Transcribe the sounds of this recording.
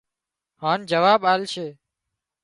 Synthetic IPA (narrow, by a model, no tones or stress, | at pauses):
hãːnd͡ʒəʋaːbaːlʃʰeː